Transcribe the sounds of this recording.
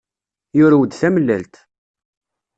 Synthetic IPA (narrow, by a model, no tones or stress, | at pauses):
jʊɾæwəd̪θæməlːælt̪